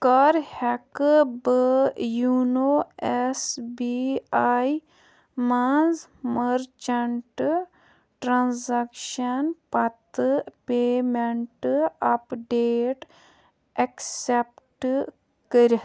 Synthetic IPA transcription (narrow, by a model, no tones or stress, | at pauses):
kaɾhɛkbəjunoɛsbiaj | manzməɾt͡ʃɐɳʈ | ʈɾãnzakʃɐnpɐt̪ɨpeːmeɳʈɐpɖeːʈ | ɐksepʈ | kəɾ